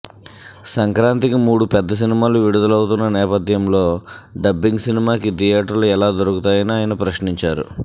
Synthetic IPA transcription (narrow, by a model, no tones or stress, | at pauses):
sɐŋkɾaːnt̪ikimuːɽupɛd̪ːɐs̬inimaːluʋiɽud̪ulɐwut̪unːɐnɛːpɐd̪ʱjɐmlo̞ːɖɐbːiŋɡsinimaːkid̪ijaːʈɐɾluɛlaːd̪oɾukut̪aːjɐniaːjɐnɐpɾɐʃniɲt͡ʃaːɾṵ